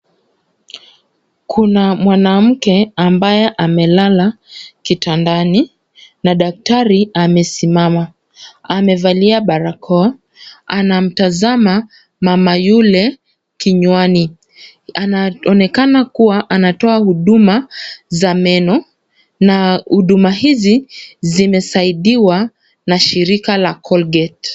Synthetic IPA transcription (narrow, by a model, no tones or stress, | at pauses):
kʰunamwanam̩kɛambajɛʔamɛlalakitandani | naɗak̚taɾiamɛsimama | amɛvaliaɓaɾakʰɔ | anam̩tazama | mamajulɛ | kiɲwani | anaɔnɛkanakuwaʔanatɔahuɗumazamɛnɔ | nahuɗumaɦizizimɛsaiɗiwa | naʃiɾikalakʰɔlɡɛt